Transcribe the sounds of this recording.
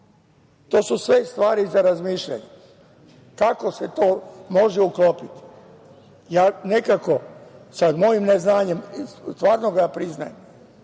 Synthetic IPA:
t̪o̞ːsusʋest̪ʋaːɾizaɾazmiːʃʎa̰ɲe | kako̞set̪oːmo̞ʒɛuklopit̪i̥ | jaːne̞kako̞samo̞jimneznaːɲe̞mst̪ʋaːɾnoɡajaːpɾizna̰jem

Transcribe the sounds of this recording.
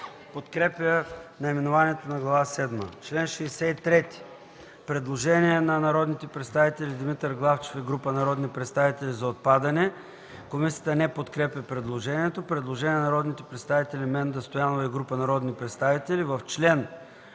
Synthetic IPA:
pot̪kɾɛpjənɐimɛnovaniɛt̪onɐɡlˠɐvasɛd̪mət͡ʃlɛnʃɛːsɛit̪ɾɛt̪i̥ | pɾɛd̪lˠoʒɛniɛnɐnɐɾɔd̪nit̪ɛpɾɛt̪st̪avit̪ɛlʲid̪imit̪əɾɡlˠaft͡ʃe̥fɛɡɾupənɐɾɔd̪nipɾɛt̪st̪avit̪ɛlʲizɐot̪̚pad̪ɐnɛ | komisijət̪ənɛpot̪kɾɛpʲɐpɾɛd̪lˠoʒɛniɛt̪opɾɛd̪lˠoʒɛniɛnɐɾɔd̪nit̪ɛpɾɛt̪st̪avit̪ɛlʲimɛnd̪ɐst̪ojanovɐɛɡɾupənɐɾɔd̪nipɾɛt̪st̪avit̪ɛlivɐft͡ʃlɛn

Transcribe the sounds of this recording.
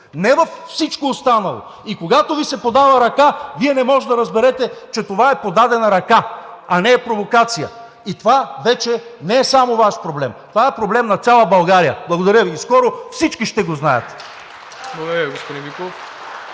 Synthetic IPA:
nɛvɐfsit͡ʃkoːst̪anɐlˠo̰ | ikoɡat̪ovisɛpod̪avɐɾɐkaviɛnɛmɔʒɛd̪ɐɾɐzbɛɾɛt̪ɛt͡ʃɛt̪ovaɛpod̪ad̪ɛnɐɾɐkaɐnɛːpɾovokat̪sijə̰ | it̪ovavɛt͡ʃɛnɛːsamovaʃpɾoblɛmt̪ovaɛpɾoblɛmnɐt̪sʲjalˠəbɐlˠɡaɾijə̰blˠɐɡod̪ɐɾʲjəviskɔɾofsit͡ʃkiʃt̪ɛɡoznajə̰t̪ | blˠɐɡod̪ɐɾjəɡospod̪ĩmikˠof

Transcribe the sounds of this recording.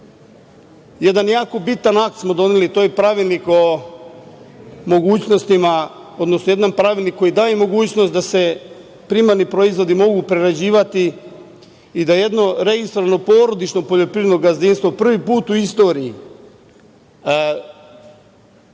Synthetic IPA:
jed̪anjaːko̞bit̪anak̚t̪smo̞d̪o̞nelit̪o̞jepɾaʋilniko̞ | mo̞ɡuːt͡ɕnost̪ima | o̞d̪nosnoje̞d̪anpɾaʋilnikːo̞jid̪aːjemo̞ɡuːt͡ɕnost̪d̪ase̞ | pɾimaɾnipɾo̞izʋo̞d̪imo̞ɡupɾeɾad͡ʑiːʋat̪i | d̪aje̞d̪no̞ɾe̞ɡist̪ɾoano̞po̞ːɾo̞d̪it͡ʃno̞poʎo̞pɾiːed̪noɡazinst̪ʋopr̩ʋipuːt̪uist̪o̞ːɾii

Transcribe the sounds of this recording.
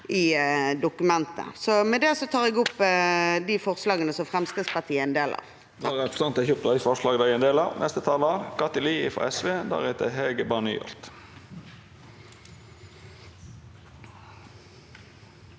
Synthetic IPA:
ɪd̪ʊkʉmɛnt̪ə̰sɔmɛd̪ɛsɔt̪ʰɑːʁɛɡʊpːd̪ɪfɔʁslɑːɡənəsɔmfʁɛmst̪əspɑʁt̪ʰiːəɛnd̪eːlɑ̰ʁ | d̪ɑːʁɛpst̪ɑnt̪ɛçup̚t̪ɑɪfɔʂlɑːɡd̪æɪɛnd̪eːlɑnɛst̪ət̪ʰɑːlɑkʰɑt̪əliːɪfɔ̰ɛsʋeːd̪æ̰ɾɛt̪əheɡəbɑːnḭːɔ̰lt̪

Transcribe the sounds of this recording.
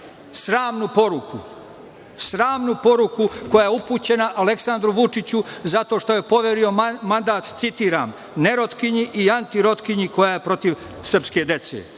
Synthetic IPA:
sɾaːmnupo̞ɾukʰu | sɾaːmnupo̞ɾukuko̞jaːjeupuːt͡ɕe̞naʔale̞ksand̪ɾuʋut͡ʂit͡ɕuzat̪o̞ːʃt̪o̞je̞po̞ʋeɾio̞mand̪aːt̪t̪sit̪iːɾa̰ːm | ne̞ɾot̪kiɲiʔiant̪iɾo̞t̪kiɲiko̞jaje̞pɾo̞t̪iʋ | sr̩pske̞d̪e̞t̪sḛ

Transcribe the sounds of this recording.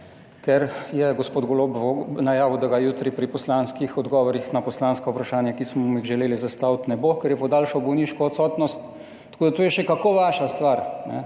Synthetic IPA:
kɛɾjɛɡospoːd̪ɡɔlobonajaːʋd̪aɡajuːt̪ɾipɾipɔslanskixɔd̪ɡɔʋɔɾixnapɔslaːnskaupɾaʃaːnjakismɔixʒɛleːlizast̪awt̪nɛbokɛɾjɛpɔd̪aːlʃɔbɔwniʃkɔːt̪sɔt̪nɔst̪ | t̪ːkoːd̪at̪oːjɛʃɛkakoʋaːʃast̪ʋaɾnɛ̰

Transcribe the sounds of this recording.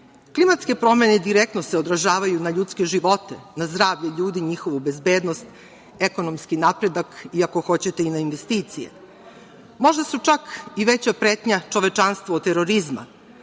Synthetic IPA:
klimat̪ske̞pɾo̞me̞ned̪iɾek̚t̪noseod̪ɾaʒaːʋajunaʎut̪ske̞ʒiʋo̞t̪e̞nazd̪ɾaːʋʎeʎuːd̪iɲixo̞ʋube̞zbeːd̪nost̪ | eko̞nomskinapɾe̞d̪akiako̞xo̞t͡ɕe̞t̪e̞inainʋe̞st̪iːt̪sijḛ | mo̞ʒd̪asut͡ʂakiʋet͡ɕapɾeːt̪ɲat͡ʃo̞ʋe̞t͡ʃanst̪ʋot̪ːe̞ɾo̞ɾizma̰

